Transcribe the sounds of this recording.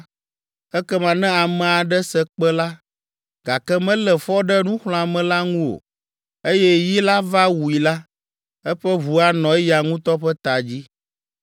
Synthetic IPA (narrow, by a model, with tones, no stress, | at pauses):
ɛ˦kɛ˦mã˨nɛ̃˦a˨mɛ̃˨a˨ɖɛ˦sɛ˦k͡pɛ˦la˦ | ɡ̥a˨kɛ˦mɛ̃˦lɛ˨fɔ˦ɖɛ˦nũ˦xl̃ɔ̃˨a˨mɛ̃˨la˦ŋũ˦o̰˨ | e˦jɛ˦ji˦la˦va˦wu˨i˨la˦ | ɛ˦ɸɛ˦βu˨a˦nɔ̃˨ɛ˦ja˨ŋũ˦t̪ɔ˦ɸɛ˦t̪a˨d͡ʑi˦